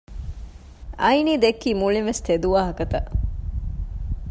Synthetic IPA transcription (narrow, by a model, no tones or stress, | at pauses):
ɐjniːd̪ekːiːmuɭinʋest̪ed̪uʋaːɦɐkɐt̪ɐ